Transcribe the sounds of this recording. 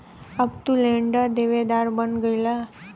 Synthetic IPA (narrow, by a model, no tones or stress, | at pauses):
əpt̪uleɳɖad̪eʋed̪aɾbənɡəjla